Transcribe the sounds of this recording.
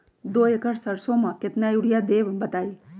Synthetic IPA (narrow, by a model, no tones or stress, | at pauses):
d̪oːekəɽsəɾsõmãket̪najuɽjad̪eːʋbət̪aːi